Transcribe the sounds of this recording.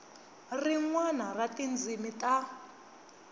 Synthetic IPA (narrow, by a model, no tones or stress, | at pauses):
riŋwanaratind͡zimita